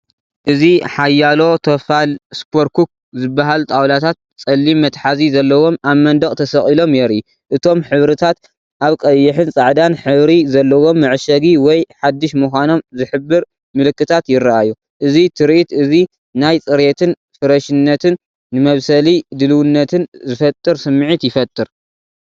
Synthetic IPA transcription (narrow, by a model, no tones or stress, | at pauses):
ʔɨziħajːalo̞t̪ʰɐfalspʰoɾkʰuk̚ | zɨbːaɦalt̪ʼawlat̪ʰat̪̚ | t͡sʼɐlːimːɐt̪ħazizɐlːɐwo̞maβmɐnd̪ɐkʼt̪ʰɐsɐχʼilo̞mjeɾi | ʔɨt̪ʰo̞mħɨβɾɨt̪ʰat̪ | ʔaβkʼɐjːɨħɨnt͡sʼaʕd̪anħɨβɾizɐlːɐwo̞mːɨʕʃɐɡiwɔjħad̪ːɨʃmuxʷano̞mzɨħɨbːɨɾ | mɨlɨkːɨt̪ʰat̪jɪɾaʔajːu | ʔɨzit̪ʰɨɾʔit̪ɨzi | najt͡sʼɨɾet̪ʰɨn | fɨɾɐʃɨnːɐt̪ʰɨnː | ɨmɐβsɐlid̪ɨlɨwɨnːɐt̪ʰɨnzɨfɐt̪ʼːɨɾsɨmːɨʕit̪jɪfɐt̪ʼːɨɾ